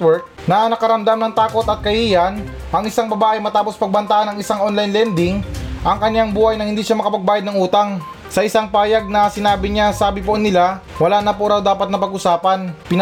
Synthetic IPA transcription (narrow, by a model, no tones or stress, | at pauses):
wɛk̚nɐnɐkɐɾɐmd̪amnɐŋt̪aːko̞t̪ɐt̪̚kɐhiːjɐn | ʔɐŋɪsaŋbɐbaːʔɪmɐt̪aːpo̞spɐɡ̚bɐnt̪aʔanɐŋɪsaŋʔonlajnlɛnd̪ɪŋʔɐŋkɐɲjaŋbuːhɐjnɐhɪnd̪iːʃamɐkɐpɐɡ̚baːjɐd̪nɐŋʔuːt̪ɐŋ | sɐʔɪsaŋpaːjɐɡ̚nɐsɪnaːbɪɲasaːbɪponɪla | wɐlaːnɐpoɾawd̪aːpɐt̪nɐpɐɡʔʊsaːpɐnpɪn